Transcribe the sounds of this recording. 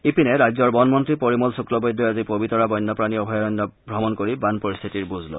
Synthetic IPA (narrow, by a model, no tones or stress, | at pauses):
ipinɛɹajzɔɹbɔnmɔntɹipoɹimɔlsuklɔbɔjd̪ʱːɔazipobitɔɹabɔjnːɔpɹaniɔbʱɔjɔɔnːɔbʱɹɔmɔnkoɹibanpoɹist̪ʰitiɹbuzʱlo̰